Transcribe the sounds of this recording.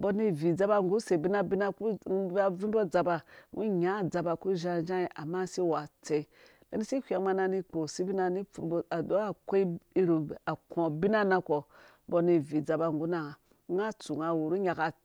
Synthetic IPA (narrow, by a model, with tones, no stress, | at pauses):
bo˦ni˦˨vi˨d͡za˦ba˦˨ŋɡu˦se˨bi˦na˦bi˦na˦ku˦a˦vi˦bo˦d͡za˨ba˨ŋɡu˦ɲa˨˦˨d͡za˨ba˨ku˦ʒa˦d͡ʒa˦i˨ʔa˨ma˦si˦wa˨t͡se˨ | le˦ni˦si˦kʷʲa˨ma˦na˦˨ni˦k͡po˨si˦bi˦na˨ni˦˨a˨do˦a˨ko˦i˦i˦ɾu˨a˨kõ˨bi˦na˦na˦ko˨ | bo˦ni˨vi˨d͡za˨ba˨ŋɡu˦na˨˦ | a˦t͡su˨ŋa˨wu˨ɾu˦ɲa˨ka˨